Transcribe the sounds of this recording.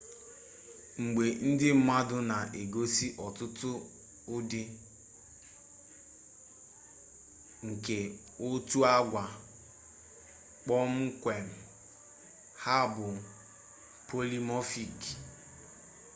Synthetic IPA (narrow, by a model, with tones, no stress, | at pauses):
ŋ͡m̩˨ɡ͡be˨n̩˦dɪ˦m̩˦ma˦dʊ˦na˨ʔe˨ɡo˦si˦ʔɔ˨tʊ˦tʊ˦ | ʊ˦dɪ˦ | ŋ̩˨ke˨ | o˦tu˦a˦ɡʷa˨ | k͡pɔ˦m̩˦kʷe˨m̩˨ | ha˦bʊ˨ | pʰo˦li˦mɔ˦fi˨k